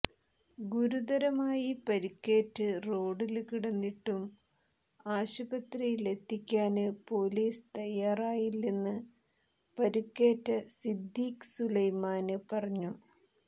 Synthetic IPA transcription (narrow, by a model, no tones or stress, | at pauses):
ɡuɾud̪ɐɾɐmaːjipɐɾikːe̞ːtːɨro̞ːɽilkiɽɐnːiʈːum | aːɕubɐt̪rijile̞t̪ʰːikʲːaːnɨpo̞ːliːst̪ɐjːaːraːjilːenːɨ | pɐɾikːe̞ːtːɐsid̪ːiːkɨ̥sulɐjmaːnɨpɐrɐɲːu